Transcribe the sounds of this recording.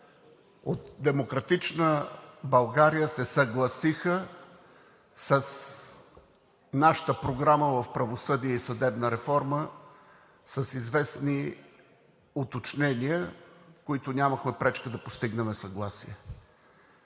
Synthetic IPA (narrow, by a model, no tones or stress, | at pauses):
ot̪̚d̪ɛmokɾɐt̪it͡ʃnəbɐlˠɡaɾijəsɛsɐɡlˠɐsixə | səs | naʃə̥t̪əpɾoɡɾaməvɐfpɾɐvosɤd̪iɛisɐd̪ɛbnəɾɛfɔɾmə | sɐsizvɛsni | ot̪ot͡ʃnɛniəkoit̪ʊnʲaməxmɛpɾɛt͡ʃkəd̪ɐpost̪iɡnɛmɛsɐɡlˠasḭɛ